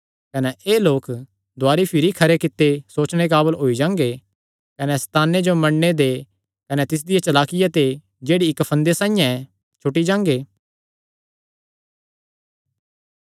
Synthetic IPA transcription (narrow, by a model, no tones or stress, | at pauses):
kɐnɛʔeːloːk | d̪ʊaːɾipʰɪɾikʰɐɾekɪt̪ːesoːt͡ʃɽ̃ek̬aːbəlɦoːid͡ʒãːŋ̆ɡe | kɐnɛst̪aːnːed͡ʒomɐɽned̪e | kɐnɛt̪ɪs̬d̪ɪjat͡ʃɐlaːkɪjat̪e | d͡ʒeːɽiɪkpʰɐ̃nd̪esãːĩjãɛ | t͡ʃʰʊʈid͡ʒãːŋɡeː